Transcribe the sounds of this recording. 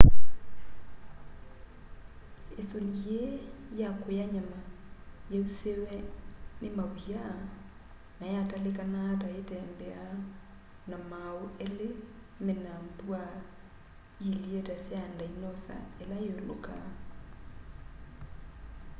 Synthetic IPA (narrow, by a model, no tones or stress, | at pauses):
esoɲjejakojaɲama | jeusewɛnɪmawia | najatalɪkanataetɛmbɛa | namauelɪ | mɛnambua | jilietasɛandainɔsa̰ɛlajolo̰ka̰